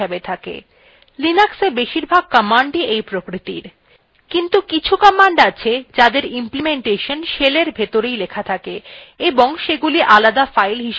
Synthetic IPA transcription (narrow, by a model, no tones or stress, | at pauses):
ebet̪ʰakḛ | linaksebeʃiɾbʱaɡ̚kɔmaɳɖiejpɾokɾit̪ḭɾ | kint̪ukit͡ɕʰukəmaɳɖat͡ɕʰed͡ʑad̪eɾimplimeɳʈeʃonʃeleɾbʱet̪oɾejlekʰat̪ʰakeeboŋʃeɡuliʔalad̪afajlɦiʃ